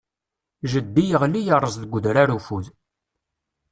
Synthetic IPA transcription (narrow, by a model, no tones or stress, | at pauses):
ʒəd̪ːijəʁlijəɾˤəzˤðəɡʷəðɾaɾufuð